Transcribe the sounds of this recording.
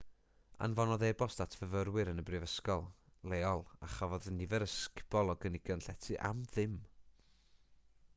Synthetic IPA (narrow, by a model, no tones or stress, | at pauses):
a̰nvɔnɔðɛbɔstatʰvəvəɾwɨɾənəbrɨvəskɔlˠ | lˠeːɔlˠaχavɔðənːɪvɛɾəskb̥ɔlˠɔɡənɪɡ̥jɔnɬɛtʰɨʔa̰mðɪm